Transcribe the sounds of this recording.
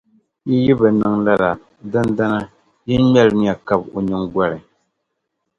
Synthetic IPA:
ji˦ji˦bɨ˨nɨ˨ŋla˦la˨ | dɨ˦nda˦na˦ | ji˦n˦mɛ˦lni˨a˨ka˨bo˨ɲɨ˦ŋɡʷa˦ɾɨ˨

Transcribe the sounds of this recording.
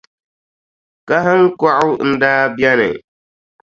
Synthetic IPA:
ka˦ɦɨ˦ŋ˦kɔ˦ʔʊ˦n̩˦daː˦bɛ˦nɨ̰˨

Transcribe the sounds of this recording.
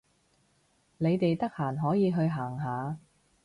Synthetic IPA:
ne˨˧jt̪e˨jt̪ɐ˥k̚haː˨˩nɦɔː˨˥jiː˨˧ɦɵ˧ɥɦaː˨˩ŋɦaː˨˧

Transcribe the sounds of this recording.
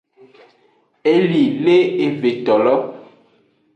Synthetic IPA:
e˦li˨le˦e˨ve˨t̪ɔ˨lɔ˦

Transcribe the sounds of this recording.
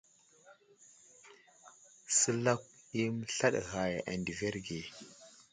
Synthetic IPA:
sə˦la˦k̚i˦m˦ɬa˦ɗɣa˨ja˨ʔa̰˨ndi˨ve˦ɾɡe˨

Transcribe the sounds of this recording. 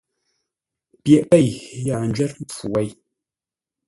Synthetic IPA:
pjɛ˨ʔpɛ˦˨jja˨n̩d͡ʒɥɛ˦t̚m̩˦p͡fu˨wɛ˦˨j

